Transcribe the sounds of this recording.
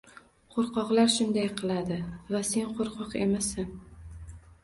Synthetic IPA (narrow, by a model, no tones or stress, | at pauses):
qʰoɾqɒqlˠaɾʃʊnd̪ajqʰɨlˠad̪ɪvase̞nqʰoɾqʰɒqemasan